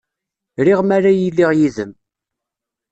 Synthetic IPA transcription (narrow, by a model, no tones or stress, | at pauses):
ɾiʁmaɾajilːiʁjiðəm